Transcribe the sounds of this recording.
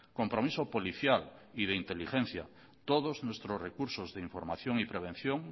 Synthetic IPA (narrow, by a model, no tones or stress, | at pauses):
kompɾomisopoliθjalið̞eint̪elixẽn̟θja̰ | t̪oð̞oznwest̪ɾozrekuɾsozðeiɱfoɾmaθjoŋipɾeβ̞en̟θjoŋ